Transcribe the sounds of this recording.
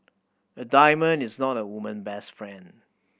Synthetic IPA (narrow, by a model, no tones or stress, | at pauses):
ədaɪmə̃nɪznɔtəwumə̃nbɛstfɹɛ̃n